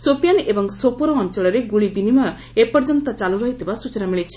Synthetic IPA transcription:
sopijanebɔŋsopɔɾɔːnt͡ʃɔɭɔɾeɡuɭibinimɔj | epɔɾd͡ʒɔnt̪ɔt͡ʃaluɾɔɦit̪ʰibasut͡ʃɔnamiɭit͡ʃʰi̥

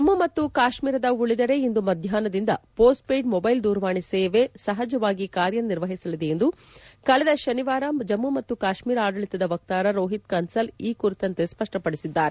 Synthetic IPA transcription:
d͡ʒɐmːumɐt̪ːukaːʃmiːɾɐd̪ɐuɭid̪ɐɾe̞ind̪umɐd̪ʱjaːnɐd̪ind̪ɐpoːsʈ̚pejɖmɔbɐjld̪uːɾʋaːɳiseːʋe̞sɐɦɐd͡ʒɐʋaːɡikaːɾjɐniɾʋɐɦisɐlid̪e̞e̞nd̪u | kɐɭɛd̪ɐʃɐniʋaːɾɐd͡ʒɐmːumɐt̪ːukaːʃmiːɾaːɖɐɭit̪ɐd̪ɐʋɐk̚t̪aːɾɐɾoːɦit̪̚kɐnsɐliːkuɾit̪ɐnt̪e̞spɐʂʈɐpɐɽisid̪ːaːɾe

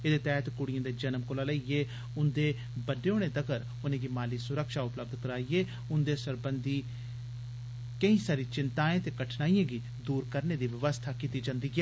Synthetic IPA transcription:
eːd̪eːt̪ɛːt̪kʊɽɪjãːd̪eːd͡ʒənəmkolaːləiɡeː | ʊnd̪eː | bəɖeːoːɽ̃eːd̪əɡəɾ | ʊnẽːɡiːmaːliːsʊɾəkʃaːʊpləb̚d̪kəɾaːiːeː | ʊnd̪eːsəɾbənd̪iː | kəĩːsaːɾiːt͡ʃɪnt̪aːẽːt̪eːkəʈʰnaːijãːɡiː | d̪uːɾkəɾneːd̪iːʋɪʋəst̪ʰaːkiːt̪iːd͡ʒãːnd̪iːɡɪ

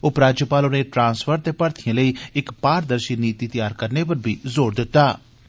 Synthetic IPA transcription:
ʊpɾaːd͡ʒjəpaːlonẽːʈɾãːnsfʰəɾt̪eːpəɾt̪ʰijə̃ːləiːɪkpaːɾd̪əɾʃiːniːt̪iːt̪ɪjaːɾkəɾneːp̬əɾbʱḭːzoːɽd̪ɪt̪ːaː

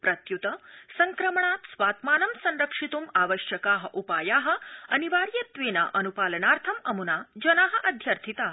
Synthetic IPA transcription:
pɾɐt̪jut̪əsɐŋkɾəmɳaːt̪sʋaːt̪maːnɐmsɐnɾəkʂit̪uːmaʋəʃjɐkaːɦə̆ʔupaːjaːɦəɐniʋaːɾjɐt̪ʋeːna̰ʔɐnupaːlənaɾt̪ʰɐmɐmunad͡ʑɐnaɦəʔɐd̪ʱjɐɾt̪ʰit̪aː

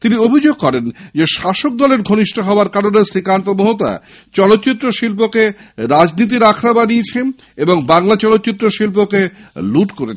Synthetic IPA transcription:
t̪iniobʱid͡ʑoɡ̚kɔɾend͡ʑeʃaʃok̚d̪ɔleɾɡʱoniʃʈoɦɔoaɾkaɾonesɾikant̪omoɦot̪a̰ | t͡ɕɔlot̪ːt͡ɕit̪ːɾoʃilp̬okeɾad͡ʑnit̪̬iɾakʰɾabaniet͡ɕʰen | eboŋbaŋlat͡ɕɔlot̪ːt͡ɕit̪ːɾoʃilp̬okeluʈkoɾet͡ɕʰ

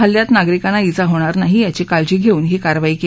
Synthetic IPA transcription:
əljat̪naɡɾikanait͡saɦoɽ̃aɾnaɦijat͡ɕekald͡ʑiɡʱeuːnɦekaɾʋaiːke

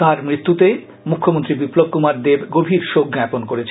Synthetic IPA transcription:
aɾmɾit̪ːut̪e | mukʰːomont̪ɾibiplob̚kumaɾd̪ebɡobʱiɾʃokɡɛponkoɾet͡ɕʰ

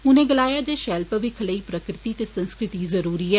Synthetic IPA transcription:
ʊnẽːɡəlaːjaːd͡ʒeːʃɛːlpəʋikʰələiːpɾəkɾɪt̪it̪eːsə̃nskɾɪt̪izəɾuːɾiːɛː

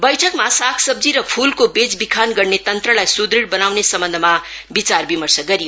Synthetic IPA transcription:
bʌjʈʰʌkmasakʰsʌb̚d͡ziɾʌpʰulkobed͡zbikʰanɡʌrnet̪ʌnt̪rʌlajsud̪ɾiɽbʌnawnesʌmbʌnd̪ʱʌma | bit͡sarbimʌrsʌɡʌɾijo

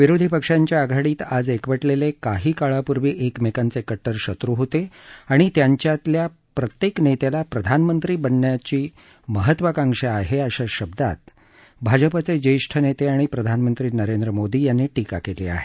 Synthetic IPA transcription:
ʋiɾod̪ʱipəkʂaɲt͡ɕjaːɡʱaɽiːt̪ad͡zekʋəʈlelekaɦiːkaɭapuɾʋiːʔekmekant͡sekəʈːəɾɕət̪ɾuɦot̪eaɽ̃it̪jaɲt͡ɕjat̪lja | pɾət̪jeknet̪elapɾəd̪ʱanmənt̪ɾiːbənːjat͡ɕiː | məɦət̪ʋəkãŋʂeaɦeaɕaɕəbd̪a̰t̪̚ | bʱad͡ʑəpat͡sed͡ʑəjʂʈʰənet̪eaɽ̃ipɾəd̪ʱanmənt̪ɾiːnəɾend̪ɾəmod̪ʱiːjanːeʈika̰kelḭːa̰ɦe̥

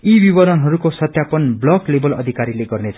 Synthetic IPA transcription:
ibibʌɾʌnɦʌɾukosʌt̪japʌnblʌklebʌlʌ̰d̪ʱikaɾileɡʌrnet͡sʰʌ

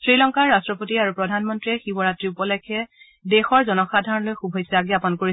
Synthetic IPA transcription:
sɹilɔŋkaɹːastɹɔpotiaɹupɹɔdʱanmɔntɹiɛxibɔɹatɹiupɔlɛjkʰɛ | dexɔɹzɔnɔxadʱaɹɔnlojxubʱɔjsɛaɡiapɔnkoɹi

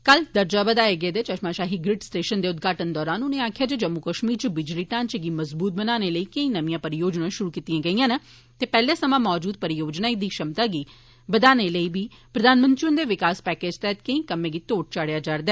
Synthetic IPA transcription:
kəld̪əɾd͡ʒaːbəd̪aːeɡeːd̪eːt͡ʃəʃmãːʃaːɦiːɡɾɪʈsʈeːʃənd̪eːʊd̪ɡaːʈənd̪ɔːɾaːnʊnẽːaːkʰjaːd͡ʒəd͡ʒəmːukəʃmiːɾt͡ʃəbɪd͡ʒliːʈãːnt͡ʃəɡiːməzbuːt̪̚bənaːneːləiːkəĩːnəʋĩjãːpəɾɪjoːd͡ʒnãːʃʊɾuːkiːt̪ijãːɡəiːãːnə | t̪eːpɛːlẽːsəmãːmɔːd͡ʒuːd̪̚pəɾɪjoːd͡ʒnaːid̪iːʃəmt̪aːɡiː | bəd̪aːneːləiːbiː | pɾəd̪aːnmə̃nt̪ɾiʊnd̪eːʋɪkaːspɛːkeːd͡ʒt̪ɛːt̪kəĩːkəmẽːɡiːt̪oːʈ̚t͡ʃaːɽjaːd͡ʒaːɾd̪ɛː

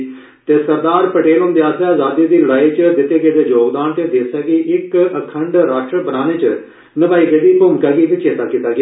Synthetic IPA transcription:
t̪eːsəɾd̪aːɾpəʈeːlɦoʊːnd̪eːaːseːaːzaːd̪iːd̪iːləɽaːiːt͡ʃd̪ɪt̪ːeːɡeːd̪eːd͡ʒoːɡd̪aːnt̪ẽːd̪eːsaːɡiːʔɪkəkʰəɳɖɾaːsʈɾəbənaːneːt͡ʃə | nəbaːiːɡed̪iːpʊmkaːɡiːkit͡ʃeːt̪aːkiːt̪aːɡɪaː

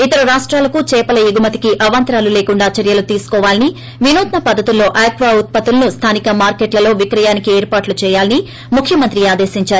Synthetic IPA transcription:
it̪ɐɾɐɾaːʂʈɾaːlɐkut͡ʃɛːpɐlɐjuɡumɐt̪ikiʔɐʋɐnt̪ɾaːluleːkuɳɖaːt͡ʃɐɾjɐlut̪iːsu̥kɔːʋaːlini | ʋinoːt̪nɐpɐd̪ʱːɐt̪ulːo̞ːʔaːkʋaut̪̚pɐt̪ulɐnust̪ʰaːnikɐmaːɾkeːʈlɐlo̞ːʋikɾɐjaːnikieːɾpaːʈlut͡ʃɛːjaːlɐni | mukʰjɐmɐnt̪ɾiaːd̪e̞ːsiɲt͡ʃaːɾuu

